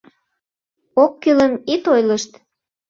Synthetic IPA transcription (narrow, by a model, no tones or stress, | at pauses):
okːyləmit̪ojləʃt̪